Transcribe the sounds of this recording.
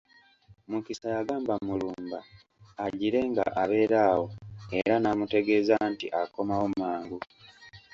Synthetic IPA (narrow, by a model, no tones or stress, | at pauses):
mukisajaɡaːmbamuluːmba̰ː | ɟiɾe̞ŋɡa̰ʔaβe̞ːɾaːwo̞e̞ɾanaːmute̞ɡe̞zantiʔako̞mawomaːŋɡu